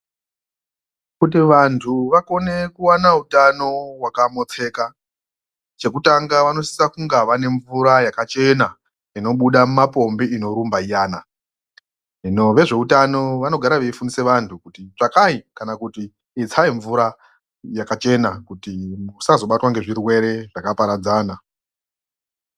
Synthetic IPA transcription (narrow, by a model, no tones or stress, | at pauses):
kut̬iʋantʰuʋako̞ne̞kuwanautano̞wakamo̞t͡se̞ːka | t͡ʃe̞kutaŋɡaʋano̞si̥sakuŋɡaʋane̞ɱvuɾajakat͡ʃe̞na | ino̞ɓuɗamumapo̞mbiino̞ɾumbaijaːna | ino̞ʋe̞ʐe̞utano̞ʋano̞ɡʱaɾaʋeifunise̞ʋantʰukutiʐakaikanakutiː | t͡sʰaiɱvuɾa | jakat͡ʃe̞nakutimusazo̞ɓatwaŋɡe̞ʐirwe̞ɾe̞ʐakapaɾad͡zaːna